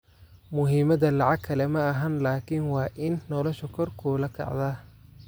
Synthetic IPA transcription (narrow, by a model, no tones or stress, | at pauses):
mʊɦiːmɐðɐlɑʕɑɡkʰːɐlɛmɐɐɦɐnlaːkʰiːnwɑːʔɪnːɔlɔʃɐkʰɔrkʰulɐkʰɑ̰ʕd̪aː